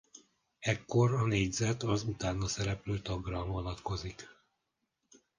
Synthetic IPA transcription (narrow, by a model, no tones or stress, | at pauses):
ɛkːo̞ɾɒneːɟzɛt̪ɒzut̪aːnːɒsɛɾɛpløːt̪ɒɡrɒvonɒt̪ko̞zik